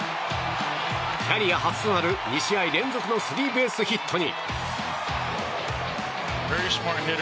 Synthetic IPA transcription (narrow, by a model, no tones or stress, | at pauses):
kʰʲaɾʲijahat͡sɨ̥t̪onaɾɯ̟ɲʲiɕiaiɾẽ̞nd͡zo̞kɯ̟no̞sɨɾʲiːbe̞ːsɨçit̪ʰːo̞ɲ̟ḭ | pɛɹismɑknɦɪɾ